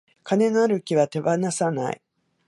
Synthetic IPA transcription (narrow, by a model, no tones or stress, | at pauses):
kane̞ŋaːɾɯ̟kʲiβat̪e̞banasana̰ḭ